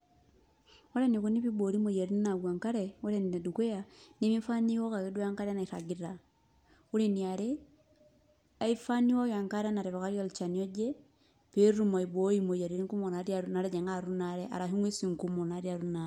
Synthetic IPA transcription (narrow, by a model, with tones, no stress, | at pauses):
ɔ˦ɾɛ˦ni˨ku˦ni˦pi˦bo˨ɾi˦mo˨ja˨ɾi˦n˦na˨ɡwa˨ŋka˦ɾɛɔ˦ɾɛ˦n˨ne˨du˨ke˦ja˨ne˦mi˦fa˦ni˦wɔ˦ka˨ki˦du˦a˦ŋka˦ɾɛ˦na˨i˨ɾa̰˨ɡi˦ɾa˨ | u˦ɾe˨ni˨a˨ɾe˦ | a˦i˦fa˦ni˦wɔ˦ja˨ŋka˦ɾɛ˦na˨ɾɛ˨βɔ˨ka˦ɾjɔ˦lt͡ʃa˨ni˨ɔ˦d͡ʒe˦ | pe˦ɾu˦˨ma˨i˨bo˨˦i˦mo˨ja˨ɾi˨ɾi˦ŋku˦mo˨na˨ɾi˦a˨ɾuna˦ɾɛ˦d͡ʒɛ˨ŋɡa˦ɾu˦na˨ɾɛ˦ʔa̰˨ɾa˨ɦi˦ŋwi˦si˨ŋ˨ku˦mo˨na˨ɾi˦a˨ɾu˦na˨